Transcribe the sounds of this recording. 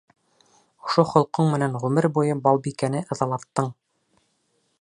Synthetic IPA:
ŏ̥ʃoχŏlˠqɤɴmɘ̆nænʁʉmɘɾbujɤbɑlˠbikænɘʔɤ̆ðɑlˠɑp̚t̪ːɤɴ

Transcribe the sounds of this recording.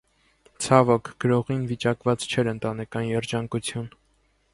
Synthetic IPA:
t͡sʰɑvɔkʰɡ̥əɾɔʁinvit͡ʃɑkvɑt͡st͡ʃʰɛɾənt̪ɑnɛkɑnjɛɾd͡ʒɑŋkut͡sʰjun

